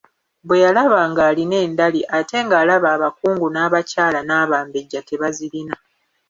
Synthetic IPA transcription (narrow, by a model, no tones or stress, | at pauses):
bwe̞jalaβaːŋɡaːline̞ːndaliʔate̞ːŋɡaːlaβaːβakuːŋɡunaːβacaːlanaːβaːmbeɟːate̞βaziɾina